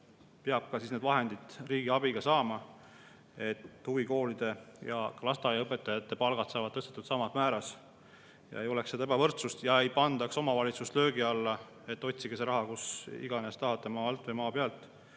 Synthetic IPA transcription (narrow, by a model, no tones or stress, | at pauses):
peɑb̥̚kɑsisne̞d̪vɑɦe̞nd̪̥id̪̥ˑriːɡiɑbiɡɑsɑːmɑ | e̞t̪ːhuviko̞ːlid̪̥e̞jɑ̰klɑst̪ɑjɑɤpːˑe̞t̪ːˑɑjɑt̪ːˑe̞pɑlɡ̥ɑt̪sɑːvɑd̪̥̚t̪ːɤst̪et̪ːˑud̪sɑmɑt̪mæːɾɑs | jɑ̰ejo̞leksːeebɑvɤrt̪sust̪jɑejpɑnd̪ɑkso̞mɑvɑlʲit̪sust̪lø̞ːɡiɑlːɑ | e̞t̪ːo̞t̪ʲsiɡ̥eseɾɑɦɑkusḭɡ̥ɑnest̪ɑɦɑt̪ːˑemɑːɑlt̪ːˑvejmɑːpeɑlt̪ːˑ